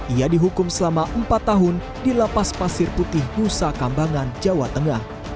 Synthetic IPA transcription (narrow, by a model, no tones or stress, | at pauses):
ʔiadiɦukʊmsəlamaʔəmpat̪ːaɦʊn | dilapaspasɪrput̪ɪhmusakambaŋand͡ʒawat̪əŋah